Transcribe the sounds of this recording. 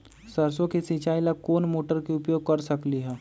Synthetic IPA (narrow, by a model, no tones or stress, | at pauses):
sɐɾsõkesĩt͡ʃaːilakoːnmoːʈəɾkeʊpjoːɡ̚kɐɾsɐkliɦɛː